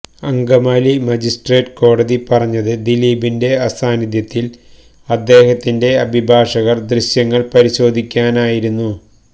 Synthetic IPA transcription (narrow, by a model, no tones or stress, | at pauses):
ɐŋɡɐmaːlimɐd͡ʑisʈreːʈko̞ːɽɐðipɐrɐɲːɐðɨd̪iliːbinde̞ɐsaːniðjɐt̪ːil | ɐd̪ːe̞ːhɐt̪ːinde̞ɐbʱibʱaːʂɐɣɐrd̪riɕjɐŋːɐɭpɐɾiɕo̞ːd̪ʱikʲːaːnaːjiɾunːu